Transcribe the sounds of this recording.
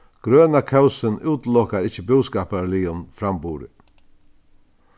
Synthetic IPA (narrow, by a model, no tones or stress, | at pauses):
ɡ̥ɾøːnakʰœwsɪnuːt̪lɔkaɾɪt͡ʃːəbʉwskaːpaɾliːʊnfɾambuːɾɪ̰